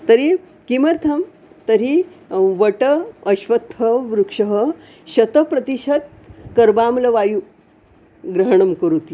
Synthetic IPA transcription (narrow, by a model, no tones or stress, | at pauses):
t̪əɾi | kimɐɾt̪ʰɐm | t̪ɐɾiʋəʈəɐɕʋɐt̪ɦəʋɾukʂəɦə | ɕɐt̪əpɾɐt̪iɕɐt̪̚ | kɐɾbaːmlɐʋaju | ɡɾɐɦɳ̃ɐmkəɾut̪i